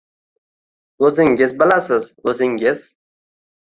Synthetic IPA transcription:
ɵzɪŋɡʲɪzbɪlasɪzɵzɪŋɡɪz̥

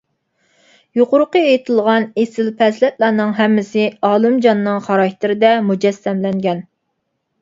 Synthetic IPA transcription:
joqʊɾʊqəejt̪ʰɨlˠʁɑnesɪlpʰɛslɛt̪lˠɑɾnɨŋɦɛmːɪsɪɑːlˠɨmd͡ʒɑnːɨŋχɑɾɑkʲt̪ʰɪɾɪd̪ɛmud͡ʒɛsːɛmlɛŋɡʲɛn

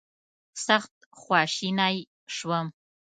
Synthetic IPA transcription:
saχtʼ | χʷɑːʃiːnaːj | ʂwɐm

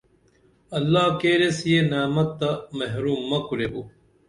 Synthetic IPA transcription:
ɐlːaːkeːɾesijenaːmɐt̪ːɐmɐɦɾuːmːɐkuɾebu

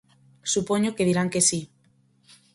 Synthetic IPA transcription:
supoɲokeðiɾaŋkesi

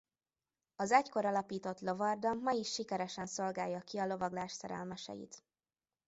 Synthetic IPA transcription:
ɒzɛcko̞ɾɒlɒpiːt̪o̞t̪lo̞vɒrd̪ɒmːɒiʃːikɛɾɛʃɛnso̞lɡaːjːɒkiɒlo̞vɒɡlaːʃsɛɾɛ̰lmɛʃɛ̰jḭt̪

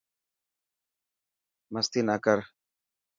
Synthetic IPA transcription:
mɐst̪inakəɾ

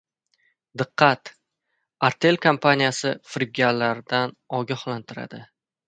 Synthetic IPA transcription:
d̪ɨqʰːɑt̪ | aɾt̪ʰe̞lkʰampʰanʲijasɪfɾɪb̚ɡʲallːaɾd̪an | ɒɡʲahlant̪ʰɪɾa̰d̪ɪ

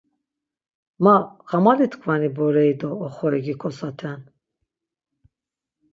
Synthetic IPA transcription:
maɣamalit̪kʰvanibɔɾɛid̪ɔːχɔɛɡikʰɔsat̪ʰɛn

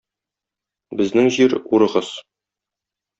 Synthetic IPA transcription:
bɘ̆znɘŋʑiɾuɾɤ̆ʁɤz̥

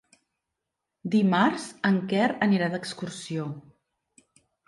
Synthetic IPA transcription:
d̪imarzəŋkɛɾəniɾad̪əkskursio

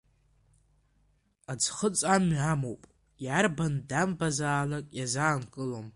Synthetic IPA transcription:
ad͡zχət͡sʼamamowpʼ | jarbandambazaːlakʼjazaːnkʼɨlom

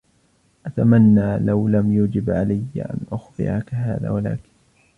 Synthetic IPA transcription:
ʔat̪amanːaːlawlamjuːd͡ʒɪbʕalajːaʔa̰nʔʊxd̪ɪ̰ʕakaɦaːða̰ːwala̰ːkɪ̥n

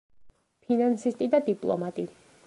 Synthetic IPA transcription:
pʰinansist̪ʼid̪ad̪ipʼlˠɔ̰mat̪ʼi

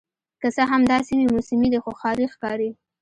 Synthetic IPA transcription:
kəsəɦamd̪ɑsimemusɪmid̪exoxɑɾixkɑɾi

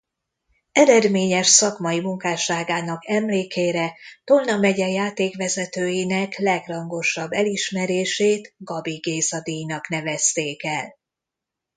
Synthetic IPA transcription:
ɛɾɛd̪meːɲɛʃsɒkmɒimuŋkaːʃaːɡaːnɒkɛmleːkeːɾɛt̪olnɒmɛɟɛjaːt̪eːkʋɛzɛt̪øːjinɛklɛɡrɒŋɡo̞ʃɒbːɛliʃmɛɾeːʃeːt̪ɡɒbiɡeːzɒd̪ijnɒkn̪ɛvɛst̪eːkɛl

